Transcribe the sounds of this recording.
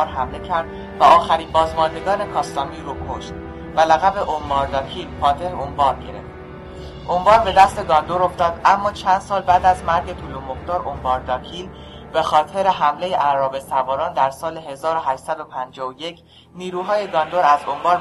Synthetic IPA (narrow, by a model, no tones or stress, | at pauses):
ɾɦæmle̞cʰæɾd̪̥ | væɒːxæɾiːmbɒːzmɒnd̪e̞ɡɒːne̞kʰɒːst̪ɒːmiːɾuːkʰoʃt̪̚ | vælæɣæbe̞ʔombɒːɾd̪ɒːcʰilpʰɒːt̪ʰeɾeombɒːɾɟe̞ɾe̞̰ft̪ | ʔombɒːɾbe̞d̪æst̪e̞ɡɒnd̪oɾo̞ft̪ɒːd̪ʔæmːɒːt͡ʃʰænd̪̥sɒːlbæːd̪æzmæɾɟe̞t̪ʰulomoxt̪ɒːɾombɒːɾd̪ɒːcʰilb̥e̞xɒːt̪ʰe̞ɾeɦæmle̞jeʔæɾɒːbe̞sʰævɒːɾɒːnd̪æɾsɒːle̞ɦe̞zɒːɾoɦæʃsæd̪o̞pʰænd͡ʒɒːvoje̞cʰ | niːɾuːɦɒːje̞ɡɒnd̪oɾæzombɒːɾ